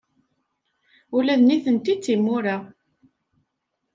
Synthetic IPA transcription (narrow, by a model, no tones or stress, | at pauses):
ʊlæðniθənt̪it͡sːimːʊɾa